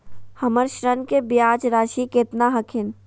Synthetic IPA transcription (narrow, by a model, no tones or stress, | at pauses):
hɐməɾʃɾənkebjaːd͡ʒɾaːʃikeːt̪naɦɐkʰɪn